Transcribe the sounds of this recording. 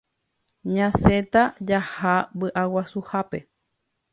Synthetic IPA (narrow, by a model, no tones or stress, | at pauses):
ɲãset̪ad͡ʒahabɨʔawasuhape̞